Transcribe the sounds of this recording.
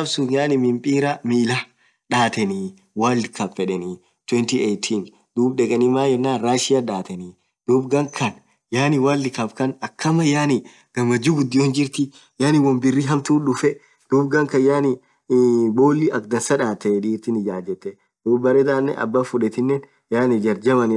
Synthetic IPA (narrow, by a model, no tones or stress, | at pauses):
ɐbsʊnjaːnɪmɪmpʼiːɾɐmiːlɐ | ᶑaːt̪ɛni | waːlɪkɐbfɛᶑɛni | t̪wɛnt̪iejt̪ʰin | d̪̥uːbᶑɛkʼɐnɪmaːjɛnːaːnɾaːʃɪjaᶑaːt̪ɛni | d̪̥uːbɡɐŋkʰɐn | jaːnɪwaːlːɪkɐbkɐnɐkʰːɐmɐjaːnɪ | ɡ̥ɐmɐd͡ʒuːɡʊd̪ːɪjond͡ʒɪɾt̪ɪ | jaːnɪwɐmbɪrːiɦɐmt̪uːnᶑʊfɛ | d̪̥uːbɡɐŋkɐnjaːnɪ | bo̞ːlːiʔɐkd̪ɐnsɐᶑaːt̪ːɛᶑiːɾt̪ɪnɪd͡ʒaːd͡ʒɛt̪ːɛ | d̪̥uːbbːɐɾɛːt̪aːnːɛ̰ʔɐ̰bːafʊᶑɛt̪ɪnːen | jaːnɪd͡ʒɐɾd͡ʒɐmɐnɪ